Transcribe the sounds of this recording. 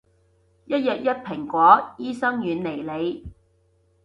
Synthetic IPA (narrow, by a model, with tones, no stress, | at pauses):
jɐ˥t̚jɐ˨t̚jɐ˥t̚pʰɪ˨˩ŋkʷɔː˨˥jiː˥sɐ˥ŋjyː˨˧nle˨˩jle˨˧j